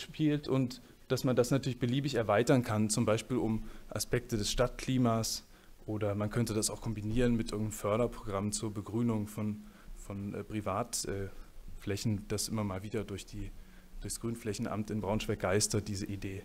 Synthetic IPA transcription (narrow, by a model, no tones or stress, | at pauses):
ʃpʰiːltʔʊnt | d̥asmandasnatʰyɐlɪçb̥əliːbɪçɛɐvaɪtɐnkʰant͡sʊmbaɪʃpiːlʊmʔa̰spɛk̚tədɛsʃtat̚kʰl̥iːmaːs | ʔoːdɐmankʰœntədasaʊxkʰɔmbiniːʁənmɪtʔɪɐɡŋ̩tnəmfœɐɾɐpʁ̥oɡʁamt͡suːɐbəɡʁyːnʊŋfɔn | fɔnʔpʁ̥ivaːtʔɛːflɛçn̩d̥asʔɪmɐmaːlviːdɐdʊɐçd̥iː | d̥ʊɐçsɡ̥ʁyːnflɛçn̩ʔa̰mtɪnbʁaʊnʃv̥ak̚ɡ̥aɪstɐt̚d̥iːzəʔideː